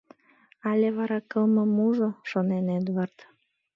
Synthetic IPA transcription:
ɑlʲeβɑɾɑkəlmə̆muʒoʃonenet̪βərt̪

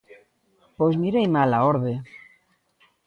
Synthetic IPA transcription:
pozmiɾejmalaoɾβe

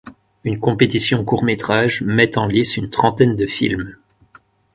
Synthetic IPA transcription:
ynkɔ̃pet̪isjɔ̃kuʁmet̪χaʒmɛt̪ɑ̃lisynt̪χɑ̃t̪ɛnd̪əfḭlm

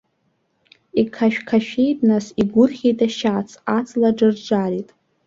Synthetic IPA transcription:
ikʰaʃᶣkʰaʃᶣejtʼnasiɡʷʊrχʲejtʼaʃat͡sʰat͡sʰlaʈ͡ʂɨrd͡ʒʷaritʼ

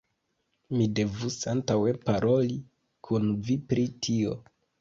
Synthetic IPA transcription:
mide̞vusantawe̞paɾʔo̞li | kʰunvipɾitʰio̞̰

